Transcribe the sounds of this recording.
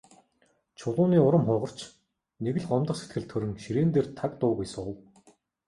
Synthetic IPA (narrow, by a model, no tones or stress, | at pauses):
t͡ɕʰʊɮʊːniːʊɾə̆mχʊːʁɞ̆r̥t͡ɕ | neɣɘ̆ɮɢɔmt̪ə̆χset̪̚ɡɘ̆ɮt̪ʰɵɾɵ̆ŋʃiɾeːnt̪eːrt̪ʰakt̪ʊːɣujsʊw